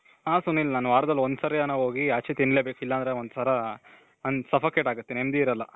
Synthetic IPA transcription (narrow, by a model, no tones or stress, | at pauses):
ɦaːsunːilːnaːnuʋaːɾɐd̪ɐlːond̪usɐɾejɐnɐɦoːɡiat͡ʃʰet̪iɳlebeːkilːɐnd̪ɾeond̪sʰɐɾɐ | ɐnsɐpʰɐkeʈaːɡut̪ːenemd̪iiɾɐlːɐ